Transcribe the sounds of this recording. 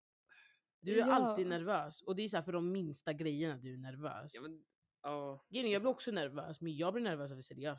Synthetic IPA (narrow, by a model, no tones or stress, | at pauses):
d̪ɵæɾalt̪iːd̪næɾvøːsɔd̪ɛæsæːɾfœɖɔmːɪnst̪aɡɾɛjːəɳad̪ɵæɳæɾvœ̰ːs | ɡɾɛjnjɑːɡblɪɾɔksɔnæɾvø̰ːsmɛnjɑːɡlɪɾɳæɾvœːs̬avɪsɛɾɛɪjœː